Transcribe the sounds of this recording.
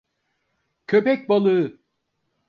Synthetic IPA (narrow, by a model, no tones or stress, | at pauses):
cʰøpɛc̚ʲbalˠɯ